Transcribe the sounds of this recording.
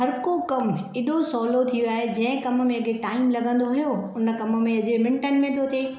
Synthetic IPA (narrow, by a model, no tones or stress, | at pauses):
ɦɐɾkokɐmɪɗosɔːlot̪ʰioaːɦed͡ʑɐ̃ɦɪ̃kɐmmẽɐɡʱeʈaːɪmlɐɡʱə̃nd̪oɦujoʊnəkɐmə̆mẽɐʄemɪ̃ɳʈənɪ̆mẽt̪ʰoːt̪ʰeː